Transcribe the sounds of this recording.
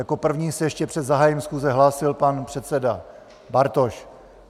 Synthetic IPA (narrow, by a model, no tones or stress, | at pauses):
jako̞pr̩vɲiːsɛjɛʃcɛpr̝̥ɛd̪zaɦaːjimsxuːzɛɦlaːsɪlpanpr̥ɛt̪sɛda | baɾt̪o̞ʃ